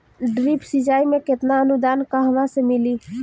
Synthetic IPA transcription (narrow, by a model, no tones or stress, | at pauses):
ɖɾipsid͡ʒaːimẽkɪt̪naənud̪aːnkaɦəmãsemɪli